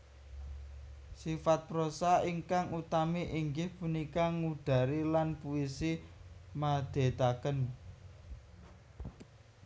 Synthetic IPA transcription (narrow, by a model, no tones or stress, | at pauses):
sifat̪̚pɾosaiŋkaŋut̪amiʔiŋɡɪhpunikaŋuɖ̪̥a̤ɾilanpuisimad̪̥e̤t̪akən